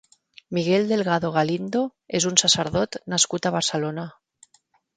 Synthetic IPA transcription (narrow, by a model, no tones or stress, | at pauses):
miɣeld̪e̞lɣ̞aðoɣ̞alind̪oezunsaseɾð̞ot̪naskut̪aβ̞aɾselona